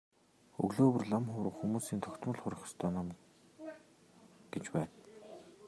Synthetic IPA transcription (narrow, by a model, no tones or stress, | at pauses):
ɵ̰ɣɮoːwɵ̆rɮamχʊːɾə̆χxumuːsiːnt̪ʰœkt̪mə̆ɮχʊɾʲɪ̆χɞ̥̆st̪ʰœːnam | ɡ̥et͡ɕpæːn